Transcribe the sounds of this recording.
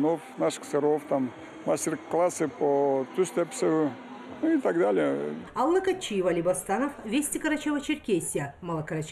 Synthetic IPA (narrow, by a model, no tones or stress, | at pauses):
nofnaʂɨ̥xsɨɾoft̪amː | asʲtʲɪrklˠasɨpot̪usʲt̪ʲepʲsəʊ | nuɪt̪aɡd̪alʲɪjəɐlˠnɐkɐt͡ɕːijvɐlʲibɐst̪anofvʲesʲtʲɪkɐɾɐt͡ɕevɐt͡ɕɪɾʲkʲesʲɐmɐlˠɐkɐɾɐt͡ɕ